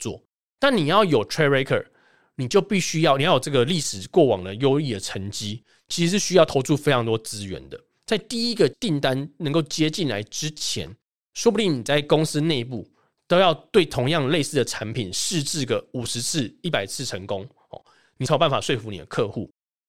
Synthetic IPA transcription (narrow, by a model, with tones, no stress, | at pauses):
t͡swɔ̰˥˨ | t̪a˥˨nːi˨˩jɑ˥˩ʊjo˨˩ʊt̪ʰɹe˥ɹe˥ɪkʰə̰˨˩ | ni˨˩t͡ɕjo˥˧ʊpi˥˩ɕy˥jɑ˥˧ʊni˨jjo˨˩ʈ͡ʂɤ˥˩ɡə˨li˥˩ʂɻ̩˨˩kwɔ˥˩wɑ̰˨˩ŋd̪ə˨jo˦˥ʊli˥˨˩d̪ə˩ʈ͡ʂʰə˧˦ŋt͡ɕi˦˥ | t͡ɕʰi˧˥ʂɻ̩˧˥ʂɻ̩˥˩ɕy˥jɑ˥˩ʊt̪ʰo˧˥ʊʈ͡ʂʰu˥˩fe˥ɪɑ˧˥ŋt̪wɔ˥t͡sɹ̩˦ɥɛ̰˨˦nd̪ə˨ | t͡sa˥˧ɪt̪i˥˩i˦ɡə˨t̪i˥˩nt̪a˦nnə˧˦ŋko˥˩ʊt͡ɕjɛ˥˦t͡ɕi˥˩nla̰˧˦ɪʈ͡ʂɻ̩˦t͡ɕʰjɛ̰˧˦n | ʂwɔ˥pu˧t̪i˥˩ni˨˩t͡sa˥˩ɪkʊ˦ŋs̩˥˦ne˥˧ɪpu˥˩ | t̪o˥ʊjɑ˥˧ʊt̪we˥˩ɪt̪ʰo˧˥ŋjɑ˥˧ŋle˥˧sɹ̩˥˩d̪ə˩ʈ͡ʂʰa˧˦npʰi˨˩nʂɻ̩˥˧t͡s̩˥˩ɡə˩u˨˩ʂɻ̩˧˦t͡s̩ʰ˥˩i˥˩pa˨˩ɪt͡sʰɹ̩˥˩ʈ͡ʂʰə˧˦ŋko˦˥ŋ | ɔ̰˨˩ | ni˨˩˥pa˥˨nfa̰˨˩ʂwe˥˩ɪfu˧˦nḭ˨˩d̪ə̰˦kʰɤ˥˧xu˥˩